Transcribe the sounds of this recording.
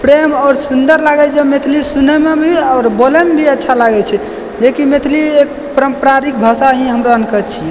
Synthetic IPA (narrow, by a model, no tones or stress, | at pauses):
pɾemɔʊɾsund̪əɾlaɡɛt͡ʃʰɛmet̪ʰlisunemebʱiɔːɾbolemebʱiətːʃʰalaɡɛt͡ʃʰɛ | d͡ʒekimet̪ʰliek | pɾəmpɾaɾik̚bʱəsaɦĩɦəmɾoənkət̪t͡ʃʰijɛ